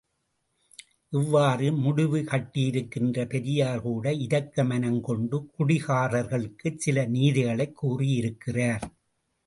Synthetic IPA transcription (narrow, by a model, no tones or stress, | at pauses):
ʔɛʋːaːrɯmʊɽɪʋɯkɐʈːɪjɪɾɯkːɪndrɐpɛɾɪjaːɾɣuːɽɐɪðɐkːɐmɐnɐŋkɔɳɖɯkʊɽɪɣaːrɐɾɣɐɭɯkːɯsɪlɐniːðɪɣɐɭɐɪkːuːrijɪɾɯkːɪraːɾ